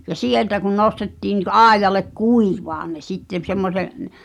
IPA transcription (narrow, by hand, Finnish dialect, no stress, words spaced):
jɑ sieltæ kun nostetːiː ni kɑˑi̞jˑɑlek kuiʋɑːn̆ ne sitːem semːose n